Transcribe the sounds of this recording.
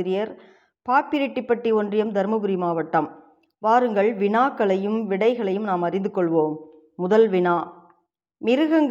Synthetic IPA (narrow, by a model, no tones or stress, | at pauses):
ɾɪjɐɾ | paːpːɪɾɪʈːɪpːɐʈːiɔndrɪjɐmd̪ɐɾmɐbɯɾimaːʋɐʈːɐm | ʋaːɾɯŋɡɐɭʋɪɳaːkːɐɭɐjɯmʋɪɽɐɪɣɐɭɐjɯmnaːmɐrɪnd̪ɯkːɔɭʋoːmː | ʊðɐlʋɪɳaː | mɪɾɯɣɐŋɡ